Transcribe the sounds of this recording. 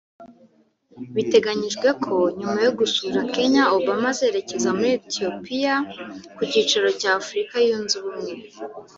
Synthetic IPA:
βite̞ɡaɲiʒɡwe̞kʰo̞ɲumajoɡusuɾake̞ɲaoβamazeːɾe̞ce̞zamuɾietio̞pijakuciːt͡ʃaɾo̞caːfuɾikajunziβumŋe̞

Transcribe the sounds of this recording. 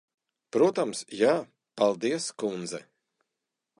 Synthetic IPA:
pɾuɔt̪amsjaː | palˠd̪iɛskund̪zɛ̰

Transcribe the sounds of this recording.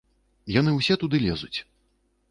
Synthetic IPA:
janɨwsʲɛt̪ud̪ɨlʲɛzut͡sʲ

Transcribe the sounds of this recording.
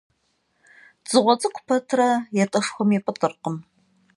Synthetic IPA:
d͡zɨʁʷɔt͡sʼɨqʷʰʊpʰɐtʰrɐjɛtʼɨʂxʷɔmɛpʼɨtʼɨrqəm

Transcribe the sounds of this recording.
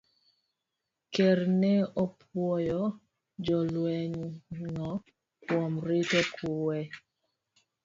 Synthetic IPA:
kɛɾnɛɔpʰwɔjɔ | d͡ʒɔlwɛɲŋɔ | kwomɾɪtokʰuwɛ

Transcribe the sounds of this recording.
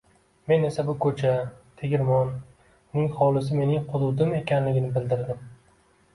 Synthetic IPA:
me̞ne̞sabʊkʰɵt͡ʃʰat̪ʰeɡʲɪɾmɒn | ʊnɪχɒlˠɪs̬ɪme̞nɪŋqʊd̪ʊd̪ɪme̞kʲʰanlɪɡʲɪnɪbɪld̪ɪɾd̪ɪm

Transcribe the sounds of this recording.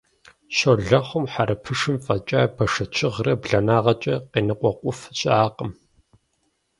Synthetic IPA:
ɕoɮɐχʷʊmħaɾɐpʰɨʂɨmfɐt͡ʃʼaːbɐʂɐt͡ʃʰɪʁrɐbɮɐnaːʁɐt͡ʃʼɐqeːnɨqʷʼɔqʷʊfɕʼaːqəm

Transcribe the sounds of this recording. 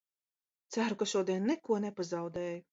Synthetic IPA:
t̪sæɾukaʃuɔd̪iɛnːɛkuɔnɛpazawd̪ɛːju

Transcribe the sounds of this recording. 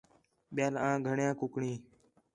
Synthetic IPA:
ɓɪjaːlãːɡʱəɳjãːkʊkɳĩː

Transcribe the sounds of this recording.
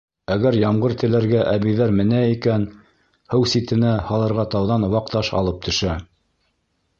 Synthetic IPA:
æɡæɾjɑmɢɤɾt̪ɘ̆læɾɡæʔæβijðæɾmɘ̆næikæn | hɘwsit̪ɘ̆næhɑlˠɤ̆ɾʁɑt̪ɑwðɑn̆wɑqt̪ɑʃɑ̰lˠɤp̚t̪ʰɵ̆ʃæ

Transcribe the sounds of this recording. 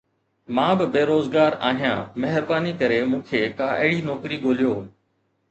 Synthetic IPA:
mãːbɪbeːɾoːzɡaːɾa̰ːɦijãːmeɦɪɾbaːnikəɾemũːkʰeːkaːʔɪːɽiːnɔːkɾiːɡoːlijoː

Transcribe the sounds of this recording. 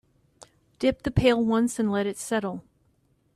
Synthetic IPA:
d̥ɪp̚ðɨpʰeɪlˠwʌ̃nsɨ̃nlɛɾɨtsɛɾl̩ˠ

